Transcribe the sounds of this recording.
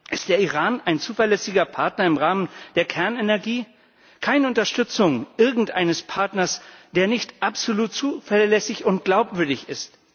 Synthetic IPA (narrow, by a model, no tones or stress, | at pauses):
ʔɪst̚d̥eːɐiʁaːnaɪnt͡suːfɐlɛsɪɡɐpʰaɐtnɐɪmʁaːmənd̥eːɐkʰɛɐnenɛɐɡiː | kʰaɪnəʊntɐʃtʏt͡sʊŋʔɪɐɡŋ̩tʔaɪnəspʰaɐtnɐsd̥eːɐnɪçtʔapz̥oluːt̚t͡suːfɛɐlɛsɪçʊntɡ̥laʊpv̥ʏɐdɪçɪst